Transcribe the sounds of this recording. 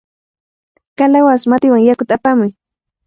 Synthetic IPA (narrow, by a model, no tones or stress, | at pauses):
kalawasmat̪ɪwaŋjakʊt̪aapamʊj